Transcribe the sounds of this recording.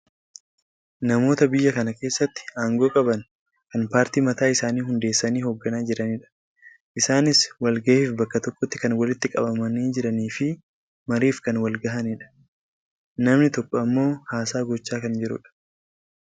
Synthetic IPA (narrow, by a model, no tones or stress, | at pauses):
nɐmo̞ːt̪ɐbɪjːɐkɐnɐke̞ːsːɐt̪ːɪ̥aːŋɡo̞ːkʼɐbɐn | kɐnpaːɾt̪iːmɐt̪aːɪsaːniːhʊnd̪e̞ːsːɐniːhoɡːɐnaːd͡ʒɪɾɐniᶑɐ̥ | ʔɪsaːnɪswɐlɡɐʔiːfbɐkːɐt̪ɔkːɔt̪ːɪ̥kɐnwɐlɪt̪ːɪkʼɐbɐmɐniːd͡ʒɪɾɐniːfɪ | mɐɾiːfkɐnwɐlɡɐɦɐniᶑɐ̥ | nɐmnɪt̪ɔkːɔɐmːo̞ːhaːsaːɡɔt͡ʃːaːkɐnd͡ʒɪɾʊ̰ᶑɐ̥